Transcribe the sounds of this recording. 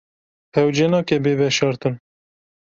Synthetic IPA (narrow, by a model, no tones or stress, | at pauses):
pɛwd͡ʒɛnɑːkɛbeːbɛʃɑːɾt̪ɨn